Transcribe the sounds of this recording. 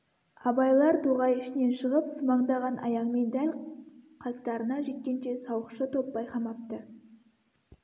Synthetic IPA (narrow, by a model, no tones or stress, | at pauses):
ɑbɑjlˠɑɾt̪ʰuʁɑjɪʃɪne̞nʃəʁəpsʊmɑɴd̪ɑʁɑnʔɑ̰jɑqme̞nd̪ælʲqʰɑst̪ɑɾənɑʒe̞t̪̚kʲe̞nʃe̞sɑwəqʃət̪ʰo̞pːɑjqɑmɑp̚t̪ə